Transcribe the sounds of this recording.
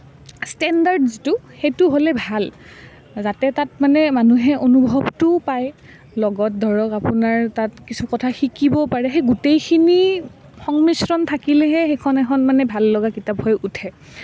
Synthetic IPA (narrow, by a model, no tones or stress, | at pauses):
stɛndaɹdztʊxejtʊɦolɛbʱal | zatɛtatmanɛmanuɦɛʔonubʱɔbtʊpaj | lɔɡɔt̚dʱɔɹɔkapʊnaɹtatkisukɔtʰaxikibɔpaɹɛxejɡutejkʰini | xɔŋmisɹɔntʰakilɛɦɛxejkʰɔnɛkʰɔnmanɛbʱalːɔɡakitaphɔjutʰɛ